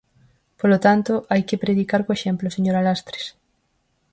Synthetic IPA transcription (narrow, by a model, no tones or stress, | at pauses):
polot̪ant̪oʔajkɪpɾeðikaɾkoeʃemploseɲoɾalast̪ɾe̥s